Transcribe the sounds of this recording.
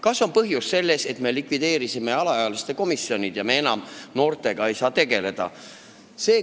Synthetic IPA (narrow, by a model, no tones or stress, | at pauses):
kɑsːo̞npɤɦjusːe̞lːe̞se̞t̪me̞likˑvid̪̥e̞ːɾisime̞ɑlɑjɑɑlist̪e̞ko̞misjo̞nʲid̪̥jɑmee̞nɑmno̞ːrt̪ˑe̞ɡ̥ɑe̞jsɑːt̪e̞ɡe̞le̞d̪̥ɑ̰ | se̞ː